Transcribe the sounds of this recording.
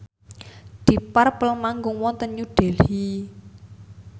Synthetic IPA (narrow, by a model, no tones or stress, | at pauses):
d̪̥i̤parpəlmaŋɡʊŋwɔnt̪ənɲuɖ̥e̤lhi